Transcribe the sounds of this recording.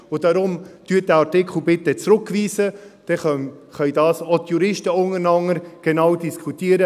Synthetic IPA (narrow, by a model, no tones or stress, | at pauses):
ʊd̥ɑɾʊmtyːt̚dɛɑtɪkχl̩ˠbɪt̪ːət͡sɾʊkːviːsəd̥ɛχœʏdɑːsotjuɾɪʃtəʊŋəɾnɑŋəɾɡ̥enɑwdiskχut̪iːəɾə